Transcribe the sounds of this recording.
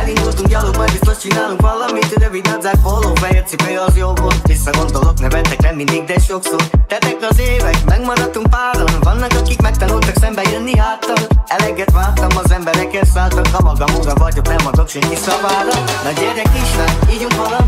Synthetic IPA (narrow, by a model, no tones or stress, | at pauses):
ɛlind̪ult̪uŋkjɒloːbɒjbist̪oʃt͡ʃinaːluŋkʋɒlɒmit̪ønøvid̪nɒd̪zaːkholofɛjøt̪sibøjɒzjobot̪visːɒɡo̞nd̪oloknøvɛt̪ːɛknɛmːind̪iɡ̚d̪ɛʃo̞ksort̪ɛt̪ɛkɒzeːvɛkmɛɡmɒɾɒt̪uŋk̚paːɾɔnvɒnːɒkɒkikmɛk̚t̪ɒnult̪ɒksɛmbɛjønːiɦaːt̪ːɒmɛlɛɡɛt̪ʋaːt̪ɒmɒzɛmbɛɾɛkɛnsaːlt̪ɒŋkːɒmɒɡɒmoɡɒvɒɟoknɛmɒd̪okʃɛŋkisɒvaːɾɒnɒɟerjɛkiʃʋɛniːɾuŋkʋɒlɒ